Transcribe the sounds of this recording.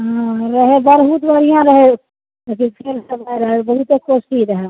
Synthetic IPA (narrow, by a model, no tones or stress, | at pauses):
ɦãɾəɦebəɾɦut̪bəɾijãɾəɦe | ekipʰeɾsəbəiɾəɦebəɦut̪ekosʈiɾəɦe